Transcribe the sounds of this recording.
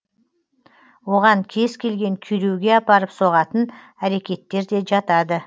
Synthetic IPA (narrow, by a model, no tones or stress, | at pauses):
wo̞ʁɑŋkʲʰe̞zkʲʰe̞lɡʲe̞ŋkʲʰyɾewɡʲe̞ɑpɑɾəpso̞ʁɑt̪ən | æɾe̞kʲe̞t̪ːe̞ɾd̪e̞ʒɑt̪ɑd̪ə